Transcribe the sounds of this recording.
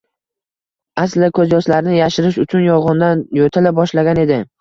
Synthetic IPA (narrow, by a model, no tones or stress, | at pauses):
aslɪkʰɵzjɒslaɾɪnɪjaʃɪɾɪʃʊt͡ʃʰʊnjɒʁɑnd̪anjot̪ʰɪlabɒʃlaɡʲane̞d̪ɪ